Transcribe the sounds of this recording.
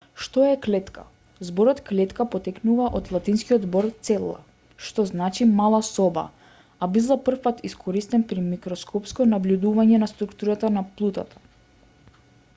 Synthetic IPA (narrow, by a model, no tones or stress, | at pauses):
ʃt̪ɔɛklɛt̪ka̰ | zbɔɾɔt̪klɛt̪kapɔt̪ɛknuvaʔot̪lˠat̪inskiɔd̪zbɔɾt̪sɛlˠːa̰ | ʃt̪ɔznat͡ʃimalˠasɔba̰ | abizlˠapr̩fpat̪iskʰɔɾist̪ɛnpɾimikɾɔskʰɔpskɔnablʲud̪uvaɲɛnast̪ɾukt̪uɾat̪anaplˠut̪at̪ʰḁ